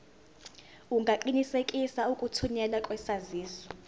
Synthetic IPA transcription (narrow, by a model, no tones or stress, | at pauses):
uŋɡʱaǃinisekʼisaukʼutʰuɲɛlakʼwɛsaziːsɔ̥